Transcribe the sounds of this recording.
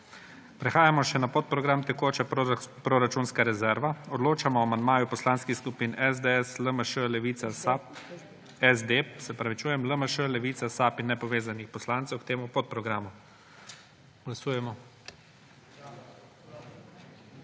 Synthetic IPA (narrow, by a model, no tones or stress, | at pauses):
pɾɛxaːjamɔʃɛnapot̪̚pɾɔɡɾamt̪ɛkoːt͡ʃɛpɾoɾat͡ʃunskaɾɛzɛɾʋaɔd̪loːt͡ʃamɔamand̪̚maːjupɔslaːnskixskupinɛzd̪eɛsləməʃəlɛʋiap | ɛzd̪epsɛpɾaʋit͡ʃuːjɛmləməʃəlɛʋiːt̪sasaːpinːɛpɔʋeːzanixpɔslaːnt̪sɛwkt̪eːmupot̪̚pɾɔɡɾaːmu | ɡ̥lasuːjɛmɔ